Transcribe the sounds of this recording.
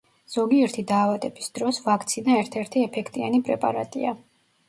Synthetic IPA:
z̥ɔɡiɛɾt̪ʰid̪aːvad̪ɛbisd̪̥ɾɔsvakʰt̪sʰinaɛɾt̪ʰɛɾt̪ʰiɛpʰɛkʰt̪ʼia̰nipʼɾɛpʼa̰ɾat̪ʼḭa

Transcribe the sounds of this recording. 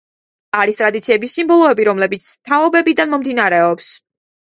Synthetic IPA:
aɾist̪ʼɾad̪it̪sʰiɛbisːimbɔlˠɔɛbiɾɔmlɛbit̪sʰt̪ʰaɔbɛbid̪anmɔmd̪inaɾɛɔps

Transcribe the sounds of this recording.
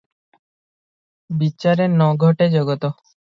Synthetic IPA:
biɕaɾenɔɡʱɔʈed͡ʑɔɡot̪o

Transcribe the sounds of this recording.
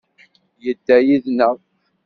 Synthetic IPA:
jəd̪ːæjiðnə

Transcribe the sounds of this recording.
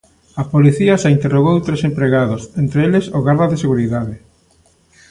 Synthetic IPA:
apoliθiasaint̪eroɣowt̪ɾesempɾeɣaðosent̪ɾeelesoɣaɾðɐðɪseɣuɾiðaðɪ

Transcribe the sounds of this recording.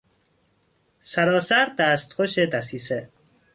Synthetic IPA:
sæɾɒːsæɾd̪æːst̪xoʃed̪æsiːse

